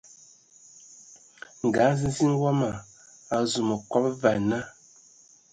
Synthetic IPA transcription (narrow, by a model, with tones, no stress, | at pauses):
ŋ̩˨ɡa˨˦zi˦zi˦n˦wɔ˦ma˨ | a˨zu˨mo˨kɔ˦p̚va˨na˦